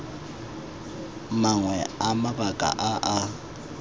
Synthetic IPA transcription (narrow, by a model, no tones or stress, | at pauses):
maŋwɛamabakʼa̰ʔaʔa